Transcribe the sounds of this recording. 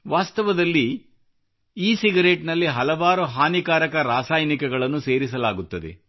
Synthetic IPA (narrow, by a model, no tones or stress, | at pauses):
ʋaːst̪ɐʋɐd̪ɐlːi | iːsiɡɐɾeːʈnɐlːiɦɐlɐʋaːɾuɦaːnikaːɾɐkɐɾaːsaːjnikɛɡɐɭɐnːuse̞ːɾisɐlaːɡut̪ːɐd̪ḛ